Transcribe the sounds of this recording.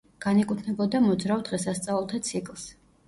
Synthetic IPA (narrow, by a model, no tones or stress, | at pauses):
ɡ̥anɛkʼut̪ʰnɛbɔd̪amɔd̪zɾavd̪ʁɛsast̪sʼavɛlˠt̪ʰat̪sʰikʼlˠs